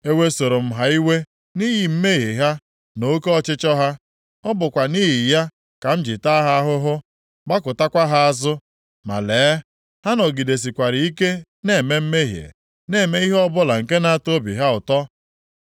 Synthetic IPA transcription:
e˦we˦so˨ɾo˨m̩˦ɦa˦i˦we˦ | ni˦ɦi˨m̩˦me˦ɦi˨ɦa˦ | no˨˦ko˦ɔ˦t͡ʃɪ˦t͡ʃɔ˦ɦa˦ | ɔ˦bʊ˨kʷa˨ni˦ɦi˨ja˦ | ka˨m̩˦d͡ʒɪ˨ta˦ɦa˦ɦʊ˦ɦʊ˦ | ɡ͡ba˦kʊ˨ta˦kʷa˦ɦa˦a˦zʊ˦ | ma̰˨leː˨˦ | ha˦nɔ˨ɡi˨de˨s̬i˨kʷa˨ɾɪ˨i˦ke˦ | ne˦˨me˦m̩˦me˦ɦjḛ˨ | ne˦˨me˦i˦ɦɔ˦bʊ˦la˨ŋ̩˨ke˦na˦a˦to˦bḭ˨ɦa˦ʊ˨tɔ˦

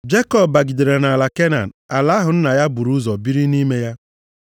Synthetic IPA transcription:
d͡ʒe˦kɔ˦bːa˨ɡi˨de˨ɾe˨na˨la˨ke˦na̰˨n̩˨a˨la˦ɦʊ˨n̩˦na˨ja˦bu˨ɾu˦zɔ˨bi˦ɾi˦ni˦me˦ja˦

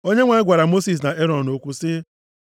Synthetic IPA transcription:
o˦ɲe˦ŋʷa˨˦ɡʷa˨ɾa˨mo˦si˨s̬na˨ʔe˦ɾɔ˨o˨kʷu˦sɪ˦

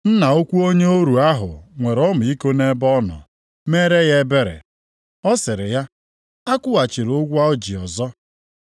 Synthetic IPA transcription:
n̩˦na˨o˦kʷu˦o˦ɲe˦o˦ɾu˨a˦ɦʊ̰˨ŋʷe˨ɾɔ˦mʊ˨i˦ko˦ne˦bɔ˦nɔ̰˨ | me˦ɾe˦je˦be˦ɾḛ˨ | ɔ˦sɪ˨ɾɪ˨ja˦ | a˦kʷʊ˦a˨t͡ʃi˨ɾo˦ɡʷu˦a˦ɔ˦d͡ʒi˨ɔ˨zɔ˦

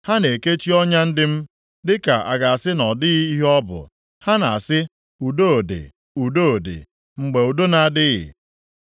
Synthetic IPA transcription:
ha˦ne˨ke˦t͡ʃi˦ɔ˦ɲa˦n̩˦dɪ˦m̩˦ | dɪ˦ka˨ʔa̰˨ɡa˨a˨sɪ˦nɔ˨dɪ˦i˦ɦɔ˦bʊ̰˨ | ha˦na˨a˨sɪ˦ | u˨do˦o˨dḛ˨ | u˨do˦o˨dḛ˨ | ŋ͡m̩˨ɡ͡be˨u˨do˦na˨dɪ˦ɣɪ̰˨

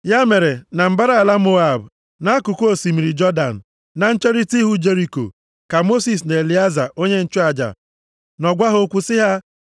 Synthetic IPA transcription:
ja˦me˨ɾe˨na˨m̩˦ba˦ɾa˦˨a˨la˦m̩˦o˦a˨b | na˦a˦kʊ˨ko˦o˦˨si˨mi˨ɾi˨d͡ʒɔ˦da̰˨n̩˨ | na˨n̩˦t͡ʃe˦ɾi˦ti˦ɦu˦d͡ʒe˦ɾi˨ko̰˨ | ka˨mo˦si˨s̬ne˨li˨a˦za̰˨ʔo˦ɲe˦n̩˦t͡ʃɔ˦a˨d͡ʒa̰˨ | nɔ˨ɡʷa˦ɦo˦kʷu˦sɪ˦ɦa˦

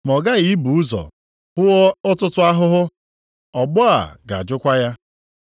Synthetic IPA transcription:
m˨ɔ˨ɡa˦ɣi˨˦bu˨ʊ˦zɔ̰˨ | hʊ˦wɔ˦ʊ˦tʊ˦tʊ˦a˦ɦʊ˦ɦʊ˦ | ɔ˨ɡ͡bɔ˦a̰˨ɡa̰˨d͡ʒʊ˦kʷa˦ja˦

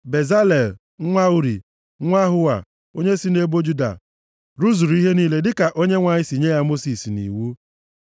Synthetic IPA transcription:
be˨za˦le˨l | ŋʷa˦u˦ɾḭ˨˦ | ŋʷa˦ɦʊ˦wa̰˨ | o˦ɲe˦si˦ne˦bo˦d͡ʒu˦da̰˨ | ɾu˦zu˨ɾu˨i˦ɦe˦niː˦le˦dɪ˦ka˨ʔo˦ɲe˦ŋʷa˨ɲɪ˦si˨ɲe˦ja˦mo˦si˨snḭ˨wu˦

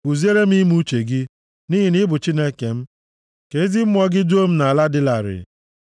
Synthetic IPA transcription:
u˨zi˦e˦ɾe˦m˦i˦m˦u˦t͡ʃe˨ɡɪ˦ | ni˦ɦi˨nɪ˦bʊ˨t͡ʃi˦ne˦ke˨m̩˦ | ke˨˦zɪ˦m̩˦m˦ɔ˦ɡɪ˦d͡ʒo˦m̩˦na˨la˦dɪ˦la˨ɾɪ̰˨

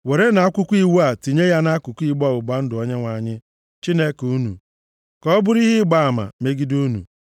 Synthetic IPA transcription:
we˨ɾe˦na˨a˦kʷʊ˦kʷi˦wu˦a˨ti˨ɲe˦ja˦na˦kʷʊ˨kʷi˦ɡ͡bɔ˦˨ʊ˨ɡ͡ba˦n̩˦dɪ˨ɔ˦ɲe˦ŋʷa˨ɲɪ˦ | t͡ʃi˦ne˦ku˦nṵ˨ | kɔ˦ɔ˦bʊ˦ɾi˦ɦɪ˦ɡ͡ba˦a˨ma̰˨me˦ɡi˦du˦nṵ˨

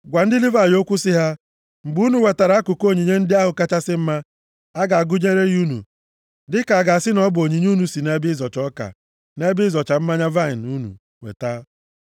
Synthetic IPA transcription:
ɡʷa˨n̩˦dɪ˦li˦va˦˨o˦kʷu˦sɪ˦ɦa˦ | ŋ͡m̩˨ɡ͡bu˦nu˨we˨ta˨ɾa˨˦a˦kʊ˨ko˦˨ɲi˨ɲe˦n̩˦dɪ˦a˦ɦʊ˨ka˦t͡ʃa˦sɪ˦m̩˦ma˦ | a˦ɡa˨a˨ɡʊ˦ɲe˦ɾe˦ɣu˦nṵ˨ | dɪ˦ka˨a˨ɡa˨a˨sɪ˦nɔ˦bo˨ɲi˨ɲ˦u˦nu˨si˨ne˦bɪ˦zɔ˨t͡ʃɔ˦ka̰˨ | ne˦bɪ˦zɔ˨t͡ʃa˨m̩˦ma˦ɲa˦va˦ɪ˨n˨u˦nṵ˨ | wḛ˨ta˦

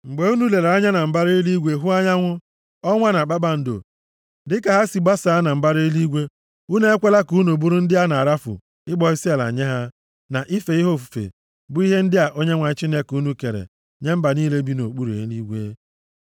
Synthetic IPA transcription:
ŋ͡m̩˨ɡ͡be˨u˦nu˦le˨ɾa˦ɲa˦na˨m̩˨ba˦ɾi˦i˦li˦ɡʷe˦ɦʊ˦a˦ɲa˦ŋʷʊ˦ | ɔ˦ŋʷa˦na˨k͡pa˦ba˨n̩˨do̰˨ | dɪ˦ka˨ɦa˦si˨ɡ͡ba˦sa˨˦na˨m̩˨ba˦ɾi˦li˦ɡʷe˦ | u˦ne˦e˦kʷe˦la˦ku˨˦nu˨bu˦ɾu˦n̩˦dɪ˦a˦na˨a˨ɾa˦fʊ̰˨ | ɪ˦ɡ͡bɔ˨ɪ˦si˦a˨la̰˨ɲe˦ɦa˦ | na˨ʔi˦fe˨i˦ɦo˦˨fu̥˨fḛ˨ | bʊ˦i˦ɦe˦n̩˦dɪ˦a˨ʔo˦ɲe˦ŋʷa˨ɪ˦t͡ʃi˦ne˦ku˦nu˦ke˨ɾḛ˨ | ɲe˦m̩˦ba˨niː˦le˦bi˦no˨k͡pu˦ɾḛ˨˦li˦ɡʷe˦

